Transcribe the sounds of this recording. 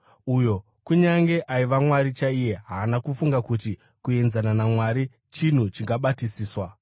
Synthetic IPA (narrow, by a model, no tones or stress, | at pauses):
ujo̞ | kuɲaŋɡe̞ʔaiʋamwaɾit͡ʃaije̞ɦaːnakufuŋɡakuti | kue̞nzananamwaɾi | t͡ʃin̤ut͡ʃiŋɡaɓatisiːswa